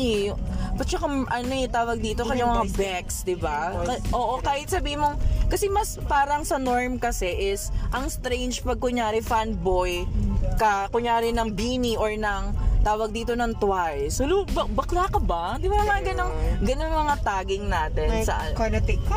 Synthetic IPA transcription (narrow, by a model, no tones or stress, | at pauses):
pɐt͡ʃɐkaʔɐnoɛt̪aːwɐɡ̚d̪iːt̪okɐɲaŋmɐŋabɛksd̪ɪbakɐʔoːʔokaːhɪt̪̚sɐbiːhɪnmoŋkɐsɛmɐspaːɾɐŋsɐnoɹmkɐsɛʔɪsʔɐŋst̪ɾejnd͡ʒpɐɡ̚kʊɲaːɾɪfanbojkɐkʊɲaːɾɪnɐŋbiːniʔoɹnɐŋt̪aːwɐɡ̚d̪iːt̪o̞nɐŋt̪wajsolubɐbɐklaːkɐbɐ | d̪ɪbamɐŋaɡɐnoŋɡɐnoŋmɐŋat̪aːɡɪŋnaːt̪ɛnsɐ̰ʔanonot̪ɪk